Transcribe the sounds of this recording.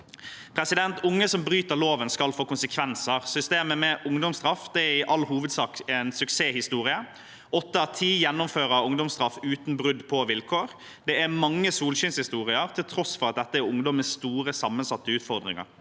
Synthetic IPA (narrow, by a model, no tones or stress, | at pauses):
pʰɾɛsɪd̪ɛnt̪ʰʊŋːəsɔmbɾyːt̪əɾloːʋənskɑlfoːkʊnsəkʰʋɛnsəɾsʏst̪eːməmɛʔʊŋd̪ɔmsd̪ɾɑfd̪̥ɛæɾɪʔɑlːhuːʋəd̪sɑːkɛnsʉkseːhɪst̪uːɾɪə | ɔt̪ːəæt̪ʰiːjɛnːʊmføːɾəʊŋd̪ɔmsd̪ɾɑfʉːt̪n̩bɾʉd̪pʰɔʋɪlkʰoːɾ | d̪ɛæɾmɑŋːəsuːlɕɪnshɪst̪uːʁɪəɾt̪ʰɪlt̪ʰɾɔsfɔɾɑt̪̚d̪ɛt̪ːəæɾʊŋd̪ɔmːəsst̪uːɾəsɑmːənsɑt̪ːəʉːt̪fɔɾd̪ɾɪ̰ŋɑ̰ɾ